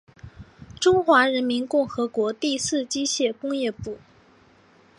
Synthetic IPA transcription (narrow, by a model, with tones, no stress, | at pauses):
ʈ͡ʂʊ˥ŋxwa˧˥ɻə˧˥nmi˧˥nkʊ˥˩ŋxɤ˧˥kwɔ˧˥t̪i˥˧sɹ̩˥˩t͡ɕi˥ɕjɛ˥˩kʊ˥ŋjɛ˥˧pu˥˩